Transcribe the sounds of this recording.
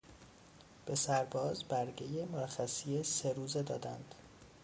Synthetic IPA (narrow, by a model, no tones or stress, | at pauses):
b̥e̞sæɾbɒːzbæɾɟejemoɾæxæsijese̞ɾuːze̞d̪ɒːd̪æ̰nd̪̥